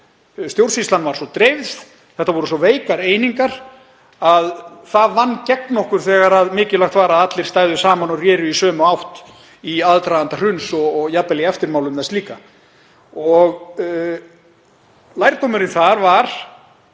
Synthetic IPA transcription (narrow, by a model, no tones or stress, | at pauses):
st̪jowr̥sist̪anvaɾ̥sɔt̪ɾejvð | θɛht̪avɔɾʏsɔveːjkaɾeːjniŋkaɾ̥ | aðθaðvanːcɛknɔhkʏɾ̥θɛːɣaɾaðmɪːcɪlaxt̪vaːɾaat̪lɪ̥st̪aːjðʏsaːmanɔrjɛːɾʏisœːmʏawht̪ | iaðt̪ɾaðant̪ar̥ʏnsɔɣjapɛliɛft̪ɪɾmaːwlʏmθɛnstliːka | ɔɣ | lajɾt̪owmʏɾɪnθaɾvaɾ̥